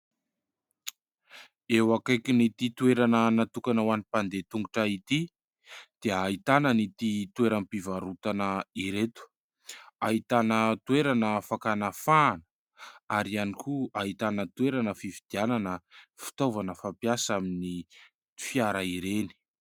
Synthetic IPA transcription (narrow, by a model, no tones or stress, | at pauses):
ewakajkinit̪it̪ueɾanənat̪ukanawanipand̪et̪uŋɡuʈ͡ʂait̪i | d̪̥eait̪anənit̪it̪ueɾampivaɾut̪anəiɾet̪u̥ | ait̪anət̪uweɾanəfakanafaːnə̥ | aɾianikuait̪anət̪uweɾanəfivid̪̥iananəfi̥t̪ovanəfapjasamini | fiaɾaiɾeni̥